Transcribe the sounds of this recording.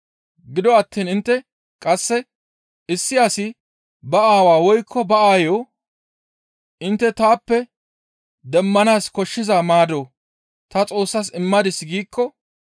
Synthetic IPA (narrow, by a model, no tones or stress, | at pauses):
ɡɪd̪ɔɐt̪ːiːnɪnt̪ːɛ | kʼɐsːɛ | ɪsːɪjaːsɪ | bɐʔaːwaːwɔjkʰːɔbɐaːjo | ʔɪnt̪ːɛt̪aːpːɛ | d̪ɛmːɐnaːskɔʃːɪzaːmaːd̪oː | t̪ɐt͡sʼo̞ːsːɐsɪmːɐd̪ɪsːɡiːkːɔ